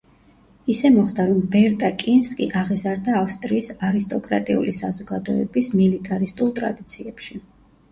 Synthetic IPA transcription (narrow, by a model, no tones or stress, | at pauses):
isɛmɔχd̪aɾɔmbɛɾt̪ʼakʼinskʼḭʔaʁizaɾd̪aːfst̪ʼɾiːsaɾist̪ʼɔkʼɾa̰t̪ʼiṵlisazɔɡad̪ɔɛ̰bismilit̪ʼaɾist̪ʼulˠt̪ʼɾa̰d̪it̪sʰiɛpʃi